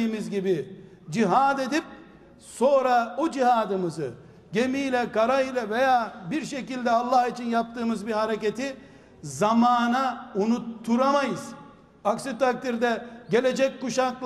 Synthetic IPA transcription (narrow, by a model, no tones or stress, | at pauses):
iːmizɟibi | d͡ʒiɦaːd̪e̞d̪ip̚ | so̞ːɾaod͡ʒiɦaːd̪ɯmɯzɯ | ɟe̞miːlʲɛkaɾailʲˠɛve̞jaːbiɾʃe̞cilʲd̪ɛalˠːahit͡ʃʰinjap̚t̪ɯːmɯzbiɾhaɾe̞cet̪ʰi | zamaːnaunut̪ʰːuɾamajɯz̥ | aksit̪ak̚t̪iɾd̪ɛɟe̞lʲe̞d͡ʒɛc̚ʲkuʃaklˠ